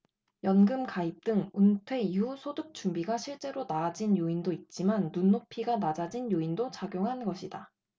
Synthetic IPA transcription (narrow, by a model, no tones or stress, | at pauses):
jʌnɡɯmkaip̚t͈ɯŋuntʰwe̞iɦusʰodɯk̚t͡ɕ͈umbiɡaɕʰiɭt͡ɕ͈e̞ɾonaːd͡ʑinjoindoit̚t͡ɕ͈imanːunːopʰiɡanad͡ʑad͡ʑinjoindot͡ɕaɡjoŋɦanɡʌɕʰida